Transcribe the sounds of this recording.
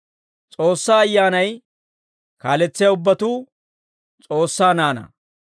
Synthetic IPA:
t͡sʼo̞ːsːaːɐjːaːnɐj | kaːlɛt͡sːɪjaʊbːɐt̪uː | t͡sʼo̞ːsːaːnaːnɐ̰

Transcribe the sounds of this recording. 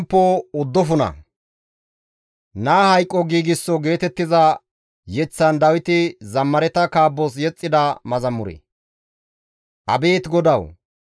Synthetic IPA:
mpːɔʊd̪ːɔfʊnɐ̰ | naːhɐjkʼːɔɡiːɡɪsːɔɡe̞ːt̪ɛt̪ːɪzɐ | jɛt͡sːɐnd̪ɐwɪt̪ɪzɐmːɐɾɛt̪ɐkaːbːɔs̬jɛt͡sʼːɪd̪ɐmɐzɐmːʊɾɛ̰ | ʔɐ̰be̞ːt̪ɡɔd̪ɐw

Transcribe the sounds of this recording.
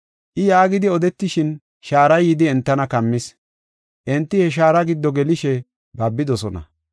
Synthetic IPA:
ʔɪjaːɡɪd̪ɪɔd̪ɛt̪ːɪʃɪn | ʃaːɾɐjːɪd̪ɪɛnt̪ːɐnɐkɐmːɪs | ʔɛnt̪ːɪhɛʃ̬aːɾɐɡɪd̪ːɔɡɛlɪʃɛ | bɐbːɪd̪ɔsɔnɐ̰

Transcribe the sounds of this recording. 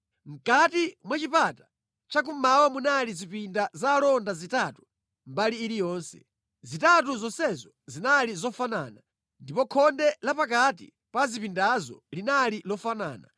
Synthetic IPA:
ŋ̩katimwat͡ʃipatḁ | t͡ʃakumawamunalizipindazalɔndazitatu̥ | mbaliːɾijɔːnsɛ̰̥ | zitatuzɔnsɛzɔ | zinalizɔfana̰ːna | ndipɔkʰɔndɛlapak̬atḭ | pazipindazɔ̰linalilɔfana̰ːna

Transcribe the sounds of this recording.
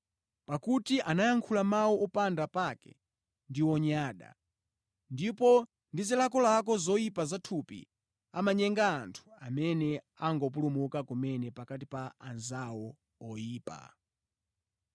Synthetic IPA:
pakutiʔanajaŋkʰulamawɔʔɔpandapakɛ̰ | ndiwɔɲaːɗa̰ | ndipɔ | ndizilakɔlakɔzɔjipazatʰupḭ | amaɲɛŋɡaːntʰu̥amɛnɛ | aŋɡɔp̬ulumukakumɛnɛpakatipaanzawɔ | ɔjiːpa̰

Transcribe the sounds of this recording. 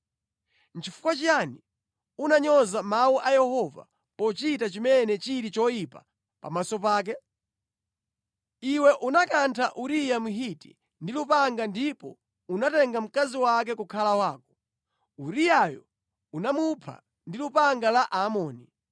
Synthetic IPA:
n̩t͡ʃʰifu̥kwat͡ʃani | unaɲɔzamauʔajɛhɔva̰ | pɔt͡ʃitat͡ʃimɛnɛt͡ʃiɾit͡ʃɔjipa | pa̰masɔp̬aːk̬ɛ | iwɛʔunakantʰaʔuɾijamuɦitḭ | ndilupaŋɡandipɔ̰ | unatɛŋɡam̩kaziwak̬ɛkukʰalawaːkɔ̥ | uɾijajɔ̰ | unamupʰa̰ | ndilupaŋɡalaʔamɔːni

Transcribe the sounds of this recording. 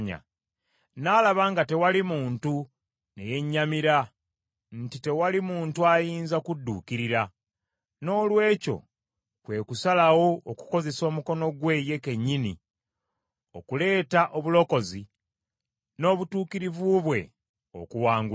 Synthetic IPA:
ɲa̰ | nalaβaːŋɡate̞walimuːntu | ne̞je̞ɲːamiɾa | n̩tite̞walimuːntuajiːnzakudːṵːkiɾiɾa | no̞ːlwe̞ːco̞̰ | kwe̞ːkusalawo̞ːku̥ko̞ze̞so̞ːmuko̞no̞ɡwe̞ːje̞ke̞ɲːini | o̞kule̞ːtaʔo̞βulo̞ko̞zi | no̞ːβutuːkiɾivuβwe̞̰ | o̞̰kuwaːŋɡu

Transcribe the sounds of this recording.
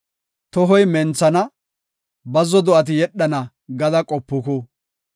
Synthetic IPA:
t̪ɔɦɔjmɛnt͡sːɐnɐ | bɐzɔd̪ɔʔɐt̪̬ɪjɛɗːɐnɐ | ɡɐd̪ɐkʼɔpːʊkʊ

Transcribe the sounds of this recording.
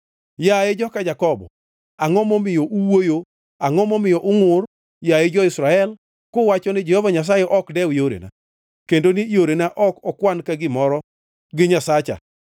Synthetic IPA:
jajed͡ʒɔkad͡ʒakɔbɔ̰ | aŋɔmɔmɪjɔʔuwojo | aŋɔmɔmɪjɔʔʊŋʊr | jajed͡ʒɔɪsɾaɛl | kowat͡ʃɔnɪd͡ʒɛhɔvaɲas̬ajɛʔɔkdɛwɪjoɾḛna̰ | kendonɪjoɾenaʔɔkɔkwankaɡɪmɔɾɔ | ɡɪɲasat͡ʃa̰

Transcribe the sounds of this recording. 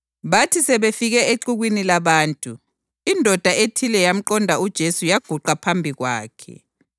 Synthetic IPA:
βatʰisɛβefiɣɛeǃuɣwinilaβaːntʼu | indʱɔd̥ʱaetʰilɛjam̩ǃɔndʱaud̥ʒ̥ʱesujaɡ̥ʱuǃapʰambʱiɣwa̰ːkʰɛ̰

